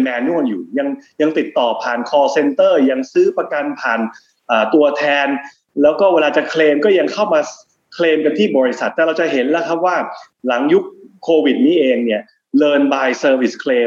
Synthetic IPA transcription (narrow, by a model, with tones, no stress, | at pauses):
mɛː˧nːu˥˩ənjuː˨˩ja˧ŋja˧ŋt̪i˨˩t̪ːɔː˨˩pʰaː˨˩nkʰɔː˧se˧nt̪ɤː˥˩ja˧ŋsɯː˦˥pa˧ka˧npʰaː˨˩n | ʔaː˨˩t̪u˧ɐt̪ʰɛː˧n | lɛː˦˥wkɔː˥˩weː˧laː˧t͡ɕa˨˩kʰleː˧mkɔː˥˩ja˧ŋkʰa˥˩wmaː˧ | kʰleː˧mka˧nt̪ʰiː˥˩bɔː˧ɾi˦sa˨˩t̪ːɛː˨˩ɾa˧wt͡ɕa˨˩ɦe˩˦nlɛ˦˥kʰa˦˥p̚waː˥˩ | la˩˦ŋju˦˥k̚ʰːoː˧wi˨˩t̪̚niː˦˥ʔeː˧ŋni˥˩ɐ | lɤː˧nbaː˧jsɤː˧wi˨˩skʰleː˧